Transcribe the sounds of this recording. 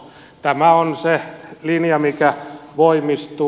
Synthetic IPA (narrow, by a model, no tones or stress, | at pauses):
t̪æmæonselinjɑmikæʋoimist̪u